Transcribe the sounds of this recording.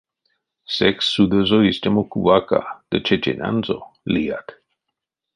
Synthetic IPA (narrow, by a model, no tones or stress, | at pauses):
sɛksːud̪əzoist̪ʲemokuvaka̰d̪̥ət͡ʃet͡ʃḛnʲʔa̰nzoliat̪